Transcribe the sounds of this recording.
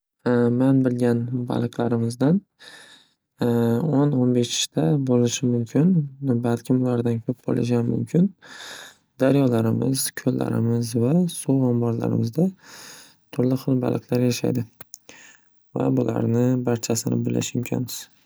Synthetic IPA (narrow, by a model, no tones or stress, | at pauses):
manbɪlɡʲanba̰lˠɨqlˠaɾɪmɪzd̪an | ononbeʃɪ̥ʃt̪abolɪʃɪmʊmkʲʰɪnbalkʲʰɪmʊlaɾd̪ankʲʰɵp̚bo̰lˠʔɪʃ̬amʊ̰mkʲʰɪn | d̪aɾjɒlaɾɪmɪz̥kʲʰɵlːa̰ɾɪ̰mɪzvasuɒmbɒɾla̰ɾɪ̰mɪzd̪a | t̪ʰʊɾlɪχɨlˠba̰lˠɨqʰlˠaɾjaʃa̰jd̪ɪ | va̰bʊla̰ɾnɪbaɾt͡ʃʰasɪnɪ̰bɪlːɪ̰ʃɪmʊmkʲʰɒ̰nmɪz̥